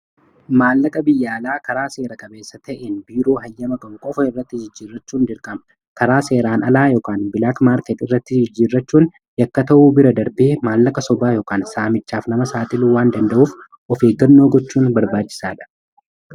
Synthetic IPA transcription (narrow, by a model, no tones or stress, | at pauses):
maːlːɐkʼɐbɪjːaːlaːkɐɾaːse̞ːɾɐkʼɐbe̞ːsːɐt̪ɐʔenbiːɾo̞ːɦɐjːɐmɐɡɐŋkʼɔfɐɪrːɐt̪ːɪd͡ʒɪd͡ʒːiːrːɐt͡ʃːuːnd̪ɪɾkʼɐm | kɐɾaːse̞ːɾaːnɐlaːjɔkʼaːnbɪlakmaːɾkɛt̪ɪrːɐt̪ːɪd͡ʒɪd͡ʒːiːrːɐt͡ʃːuːn | jɐkːɐt̪ɐʔuːbɪɾɐd̪ɐɾbeːmaːlːɐkʼɐsɔbaːjɔːkʼaːnsaːmɪt͡ʃːaːfnɐmɐsaːt̪ʼɪluːwaːnd̪ɐnd̪ɐʔuːf | ʔɔfe̞ːɡːɐnːo̞ːɡɔt͡ʃːuːnbɐɾbaːt͡ʃːɪ̥saːᶑɐ̥